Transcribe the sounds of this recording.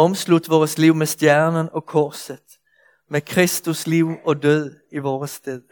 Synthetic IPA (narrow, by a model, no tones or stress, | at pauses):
ɔmslud̪̥ʋɔːʁəsliʊmesd̪jæɐnənɒ̽kʰɔsəð̥ | mekʰʁɛst̪usliʊɒ̽d̪øð̰ˠ | iʋɔːʁəst̪eðˠə